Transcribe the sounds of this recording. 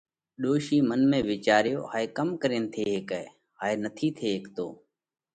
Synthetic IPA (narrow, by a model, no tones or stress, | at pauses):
ɗoːʃiːmənmẽːʋɪːt͡ʃaːɾjo̰ːɦaːeːkəmkəɾeːnt̪ʰeːɦɪkɛː | ɦaːeːnət̪ʰiːt̪ʰeːɦɪkt̪o̰ː